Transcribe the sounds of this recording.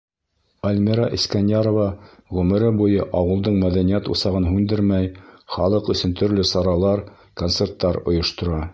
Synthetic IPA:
ælʲmiɾaʔiskænʲjaɾovɑ | ʁʉmɘ̆ɾɘbujɤʔɑwɤ̆lˠd̪ɤɴmæðænijæt̪ṵsɑʁɤnɦʉnd̪ɘɾmæjχɑlˠɤqɵ̆sɵnt̪ɵ̆ɾlɵsɑɾɑlˠɑɾ | kont̪se̞rt̪ːɑɾŏ̰jŏʃt̪ŏɾɑ

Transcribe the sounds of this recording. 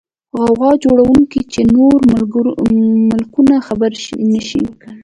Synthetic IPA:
ɣɑɣɑd͡ʒoɽawuŋkit͡ʃenoɾ | mɪlkunaxabaɾnəʃḭwkəɽ

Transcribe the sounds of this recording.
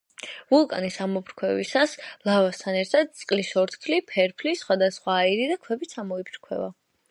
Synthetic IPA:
vulˠkʼa̰nisamɔbɾkʰwɛvisaslˠavast̪ʰanɛɾt̪ʰad̪̚t̪sʼqʼlisɔɾt̪ʰk̪ʰlipʰɛɾpʰlisχwad̪asχwaːiɾid̪akʰwɛbit̪sʰamɔibʰɾkʰwɛ̰va

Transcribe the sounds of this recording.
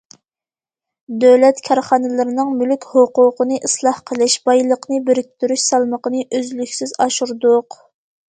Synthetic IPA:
d̪øwlɛt̪kʲʰɑɾχɑnɨlˠɨɾɪnɨŋmylykʲhoqʊqənɨʔislˠɑhqʰəlˠɪʃb̥ɑjlˠəqnɨbeɾɪk̚ʲt̪yɾyʃsɑlˠməqənɨʔøzlykʲsɪzɑʃuɾd̪ʊq

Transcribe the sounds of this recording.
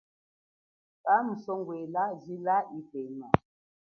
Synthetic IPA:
kam̩sɔŋɡwelazilaipejma

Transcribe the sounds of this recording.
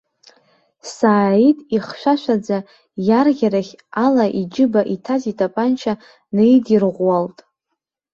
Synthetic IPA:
saːitʼiχʃʷaʃʷad͡za | jarʁʲaɾaχʲalaʔid͡ʒɪbaʔitʰazitʰʼapʼant͡ʃʰa | nejdirʁʷwaltʼ

